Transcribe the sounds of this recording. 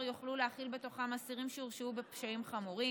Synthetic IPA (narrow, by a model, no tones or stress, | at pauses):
joχluleaχilbe̞t̪o̞χamasiʁimʃeuʁʃubepʃaimχamuʁi